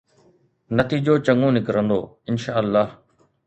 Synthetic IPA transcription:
nət̪iːd͡ʑoːt͡ɕəŋõːnɪkɾə̃nd̪o̰ː | ɪnʃaːəlːaːɦ

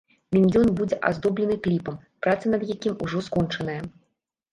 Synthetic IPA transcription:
mʲinʲjʲɔnbud͡zʲɛʔa̰zd̪ɔblʲɛnɨklʲipɐm | pɾat̪sɐnɐd̪jakʲimuʐɔskɔnt͡ʂɐnɐjɐ

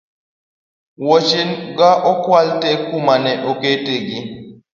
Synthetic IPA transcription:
wot͡ʃinɡaʔɔkwaltekumanɛʔɔketeɡi

